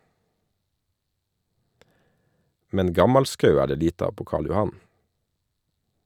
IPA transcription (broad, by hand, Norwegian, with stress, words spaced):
ˈmɛn ˈɡɑmɑlˌskɑʉ ˈæː ˈɖeː ˈliːt ˈɑːʋ ˈpoː ˈkɑːɭ jʊˈhɑn